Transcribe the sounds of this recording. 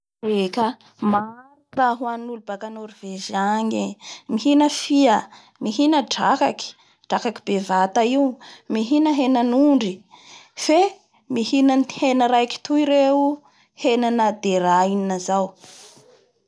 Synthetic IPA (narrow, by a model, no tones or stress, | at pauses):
rekə | maɾiraɦwanulubakanoɾiv̥eʒaŋemiɦinəfiə | miɦinəɖ͡ʐakaki̥ | ɖ͡ʐakaki̥bevat̪aiumiɦinəɦenanuɳɖ͡ʐife | mihinanhenəɾajki̥t̪uiɾeu | henanad̪eɾaininazaw